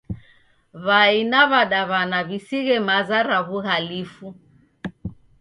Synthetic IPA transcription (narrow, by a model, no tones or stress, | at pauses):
βainaβaɗaβanaβisiɣɛmazaɾaβuɣalifu